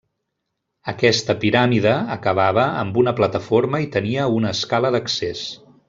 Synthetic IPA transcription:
əkɛst̪əpiɾamiðəəkəβ̞aβ̞əːmbunəplət̪əfoɾməit̪əniəunəːskaləðəkses

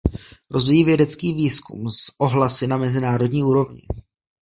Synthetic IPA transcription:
ɾo̞zvijiːvjɛdɛt͡skiːviːskṵmsʔo̞ɦlasɪnamɛzɪnaːɾo̞dɲiːuːɾo̞vɲɪ̰

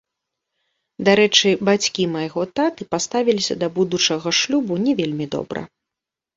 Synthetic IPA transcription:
d̪aɾɛt͡ʂɨbat͡sʲkʲimajɣɔt̪at̪ɨpast̪avʲilʲisʲɐ̰d̪ɐbud̪ut͡ʂɐɣɐʂlʲubunʲɛvʲelʲmʲid̪ɔ̰bɾɐ̰

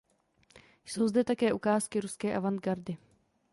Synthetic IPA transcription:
jsowzdɛt̪akɛːʔukaːskɪɾuskɛːʔavand̪ɡaɾdɪ

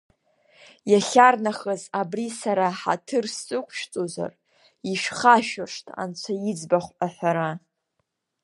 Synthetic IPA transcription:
jaɬʲarnaχəzabrisaɾaħa̰tʰɨrst͡sʼɨkʷʰʃt͡sʼoza̰r | iʃᶣχaʃaʂtʼʰa̰nt͡ɕʷʰajid͡zbaχʷʔaħʷaɾa

